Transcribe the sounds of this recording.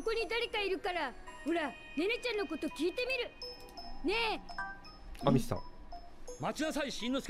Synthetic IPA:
oko̞ɲ̟id̪aɾe̞kaiɾɯ̟kaɾahɯɾa | nenet͡ɕãnːo̞ko̞t̪o̞kʲiːt̪e̞mʲiɾɯ̟ | ne̞ | amissã̰ | mat͡ɕinasaiɕĩnːosɨ̥

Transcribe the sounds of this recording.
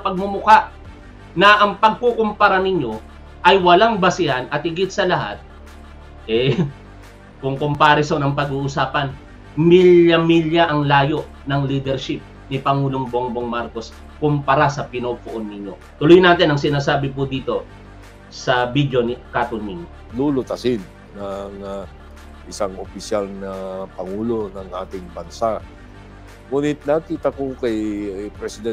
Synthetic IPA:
sɐpɐɡ̚mʊmʊkaʔ | nɐʔɐŋpɐɡ̚kukompɐɾanɪɲjo̞ | ʔɐjwɐlaŋbɐsɪhanʔɐt̪̚hɪɡɪt̪̚sɐlɐha̰t̪̚ | ʔɛ | kʊŋkʊmpaːɾɛsonɐŋpɐɡuːʔʊsaːpɐn | miljɐmiljɐʔɐŋlaːjo̞ʔ | nɐŋliːd̪ɛɾʃɪp̚ | nɪpɐŋuːloŋboŋboŋmaɾko̞s | kʊmpɐɾasɐpɪnopʊʔonːɪɲːo̞̰ | t̪ʊlojnaːt̪ɪnɐŋsɪnaːsaːbɪp̬ʊd̪iːt̪o̞ | sɐbid͡ʒonikaːt̪onːɪɲolulʊt̪ɐsɪnːɐŋa | ʔɪsaŋopɪsalnɐpɐŋuːlo̞nɐŋʔaːt̪ɪŋbɐnsa | ŋuːnɪt̪̚nɐkiːt̪ɐkokɐjpɾɛsɪd̪ɛn

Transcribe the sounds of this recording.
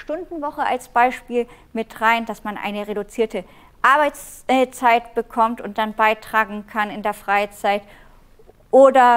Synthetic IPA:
ʃtʊndn̩vɔχəʔalsb̥aɪʃpiːl | mɪtʁaɪndasmanʔa̰ɪnəʁedut͡siːɐtə | ʔaɐbaɪt͡s | t͡saɪtb̥əkʰɔmtʊnt̚d̥anbaɪtʁ̥aːɡŋ̩kʰanɪndeːɐfʁ̥aɪt͡saɪt | ʔoːdɐ

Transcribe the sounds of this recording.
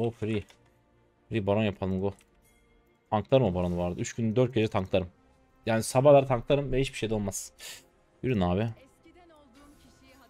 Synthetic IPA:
ofɾi | fɾibalonjapʰalˠɯmɡo | aŋklˠaɾɯmɯbaɾonvaɾd̪ɯyt͡ʃkynd̪øɾt̪̚cʰed͡ʒɛt̪ʰaŋklˠaɾɯm | jaːnisabalˠaɾɯt̪ʰaŋklˠaɾɯmvɛhit͡ʃbiʃejd̪ɛolˠmaz̥ | biɾynaːβɪ

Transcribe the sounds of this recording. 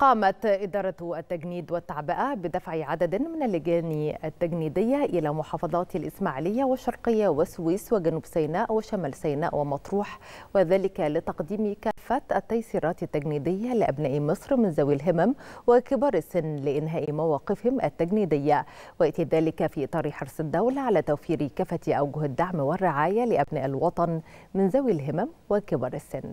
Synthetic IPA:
qɑːmæt̪ʔɪd̪ɑːɾˤɑt̪ʔæt̪ːæɡniːd̪wɪt̪ːaʕbɪʔæbɪd̪æfʕiʕad̪æd̪mɪnælːɪɡæːniat̪ːæɡniːd̪ɪjːaʔɪlæːmʊħɑːfɑðˤɑːt̪alʔɪsmaːʕlɪjːawɪʃːɑɾˤqɪjːawɪswiːswɪɡænuːbsæjnæːʔwɪʃæmæːlsæjnæ̰ːʔwɪmɑt̪ˤɾuːħwɪðæːlɪkælɪt̪ɑqd̪iːmikæːfːæt̪ʔæt̪ːæjsiːɾˤɑːt̪ɪt̪ːæɡniːd̪ɪjːalɪʔæ̰bnæːʔimɨsˤɾmɪnzæwilɦɪmæmwɪkɪbɑːɾˤɪsːɪnːlɪʔɪnɦæːʔimæwɑːqɪfhɪmʔæt̪ːæɡniːd̪ɪjːawɪaʔt̪iðæːlɪkæfiːʔɨt̪ˤɑːɾˤiħɑɾˤsˤɪd̪ːæwlaʕalæːt̪æwfiːɾikæfæt̪ʔawɡʊhɪd̪ːaʕmwɪrːɪʕaːjalɪʔæbnæ̰ːʔɪlwɑt̪ˤɑn | mɪnzæwɪlɦɪmæmwɪkɪbɑːɾˤɪsːɪnː

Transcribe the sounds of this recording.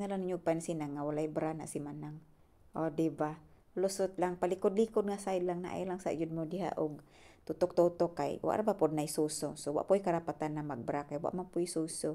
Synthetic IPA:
ŋalaniɲupansinaŋːawalaibəɾana̰ʔsimanaŋ | ɔdiba | lɔsɔt̪̚laŋpalikɔd̪̚likʊd̪̚ŋasaidlaŋna̰ʔḭlaŋsa̰ʔd͡ʒud̚mɔdiɦa̰ʔɔɡ | t̪ut̪ɔk̚t̪ɔt̪ɔkːaḭwa̰ʔɾabapɔd̚naisɔsɔsɔwa̰ʔpɔikaɾapat̪anːamaɡ̚bəɾakaiwa̰ʔmapɔisɔsɔ

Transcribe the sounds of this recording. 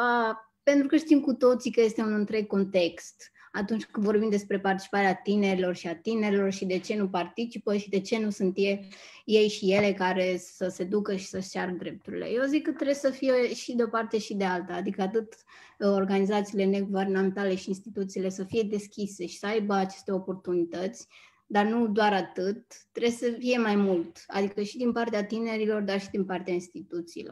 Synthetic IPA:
a | pe̞nt̪ɾukəʃt̪imkut̪o̞t̪sikəje̞st̪e̞unɨnt̪ɾe̞ɡ̚kːo̞nt̪e̞kst̪ | at̪unt͡ʃʲkɨnvo̞rbimd̪e̞spɾe̞part̪i̥t͡ʃi̥paɾeat̪ine̞ɾilo̞rʃiat̪ine̞ɾʲilo̞rʃid̪e̞t͡ʃe̞nupart̪it͡ʃipəʃid̪e̞t͡ʃe̞nusunt̪je | je̞jʃije̞le̞kaɾe̞səse̞d̪ukəʃi̥səʃt͡ʃaɾəd̪ɾe̞p̚t̪uɾḭlḛjeozikːət̪ːɾe̞ssəfije̞ʃid̪eo̞part̪e̞ʃid̪e̞alt̪aːd̪ikəat̪ɨt̪ | o̞rɡanizat̪siːle̞ne̞ɡuve̞rname̞nt̪ale̞ʃiːnst̪it̪ut̪siːle̞səfije̞d̪e̞skʲise̞ʃi̥səajbəat͡ʃe̞̥st̪e̞o̞po̞rt̪unit̪ət̪sʲ | d̪arnud̪oaɾat̪ɨt̪ːɾe̞səfije̞majmult̪a̰d̪ikəʃid̪inpart̪eat̪ine̞ɾilo̞rd̪arʃid̪inpart̪eainst̪it̪ut̪sḭːlo̰r

